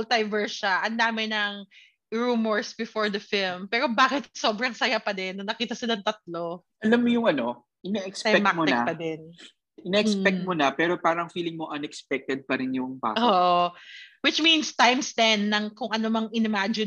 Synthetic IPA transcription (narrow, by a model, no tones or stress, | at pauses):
lt̪ɐjvɛɹʃaʔɐnd̪aːmɪnɐŋ | ɹuːmoɹsbɪfoɹd̪ɐfɪlmpɛːɾobaːkɪt̪̚so̞bɾɐŋsɐjapɐd̪ɛnːɐnɐkiːt̪ɐsɪnɐŋt̪ɐt̪̚lo̞ | ʔɐlamːojʊŋʔɐno̞ | ʔɪnɛʔɛksɐɛmamoɛɐkpɐd̪ɛn | ʔɪnɛʔɛkspɛk̚t̪̚monɐpɛːɾo̞paːɾɐŋfiːlɪŋmoʔɐnɛkspɛk̚t̪ɛd̪̚pɐɾɪnjʊŋba̰ːoːʔowɪt͡ʃminst̪ajmst̪ɛnːɐŋkʊŋʔɐnomɐŋɪnɛmad͡ʒɪ